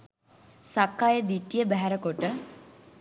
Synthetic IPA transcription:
sakːajəd̪iʈːijəbæɦæɾəkoʈə

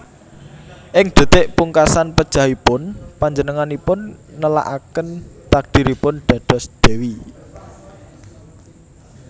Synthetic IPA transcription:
ʔɪŋd̪̥e̤t̪eʔpuŋkasanpəd̥ʒ̥a̤ɦipʊnpaɲd͡ʒənəŋanipʊnːəla̰ʔa̰kənt̪ak̚d̪̥i̤ɾipʊnɖ̪̥ä̤d̪̥ɔ̤sd̪̥e̤wi

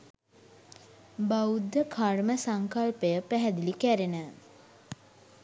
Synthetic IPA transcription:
baud̪ːəkʰarməsaŋkalpəjəpæɦɛd̪ilikæɾenə

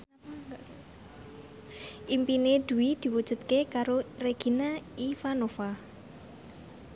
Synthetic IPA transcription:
ʔimpined̪̥ṳwid̪̥i̤wud̥ʒ̥ṳt̪̚kekaɾoreɡ̥i̤naifanofa

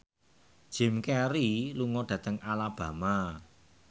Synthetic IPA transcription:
d̥ʒ̥ɛ̤mkɛɾiluŋɔɖ̥ä̤t̪əŋalab̥ä̤ma

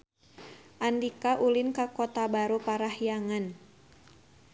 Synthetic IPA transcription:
ʔandikaʔulinkakɔt̪abaɾupaɾahijaŋan

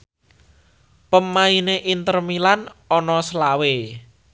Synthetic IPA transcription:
pəmaineʔint̪ərmilanɔnɔslawe

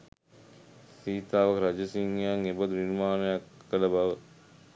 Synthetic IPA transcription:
siːt̪aːʋəkɾad͡ʒəsiŋjaŋebəd̪uninumaːnəjakːələbaʋə

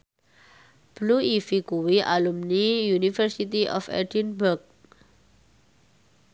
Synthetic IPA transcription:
b̥luifikuwiʔalumnijunifərsit̪iʔɔ̰fɛ̰dinburk̚

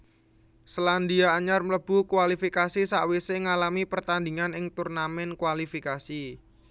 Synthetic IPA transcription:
sland̪iaːɲarmələb̥ukuwalifikasisaʔweseŋalamipərt̪and̪i̤ŋanɪŋt̪urnamɛnkwalifikasi

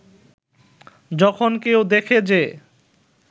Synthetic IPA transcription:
d͡ʑɔkʰonkewd̪ekʰed͡ʑe

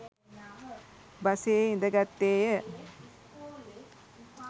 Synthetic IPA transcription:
bɐseɪnd̪ɐɡɐt̪ːeːjɐ

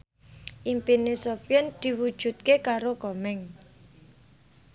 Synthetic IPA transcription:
ʔimpinesɔfjɛnd̪̥i̤wud̥ʒ̥ṳt̪̚kekaɾokɔmɛŋ

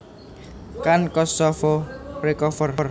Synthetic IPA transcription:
kankɔsɔfɔprekɔfərr

